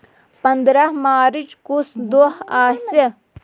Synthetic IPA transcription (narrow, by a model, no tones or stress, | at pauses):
pɐnd̪ɾɐɦmaːɾit͡ʃkusd̪oɦaːsɐ